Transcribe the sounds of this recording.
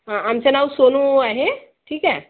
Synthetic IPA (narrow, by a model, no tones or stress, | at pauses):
ɦãamt͡senaʋsonuaɦe | ʈʰiːkɛ